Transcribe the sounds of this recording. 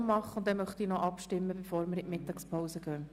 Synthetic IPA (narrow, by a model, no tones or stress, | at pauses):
mɑχəʊntdɛmœχt̪iːnɔʔɑpʃtɪmːəbəfoːɾmɪɾɪʔmɪt̪ːɑkspʰoʊsəɡœː